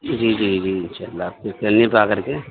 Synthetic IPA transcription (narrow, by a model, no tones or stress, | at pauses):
d͡ʒiːd͡ʒiːd͡ʒiːɪnʃaːlːaːp̚kɪkelnipakəɾke